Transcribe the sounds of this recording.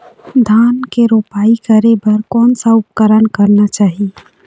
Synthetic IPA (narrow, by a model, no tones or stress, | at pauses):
d̪ʱaːnkeɾoːpaːikəɾebɐɾkɔːnsaʊpkəɾənkɐɾnat͡ʃaːɦie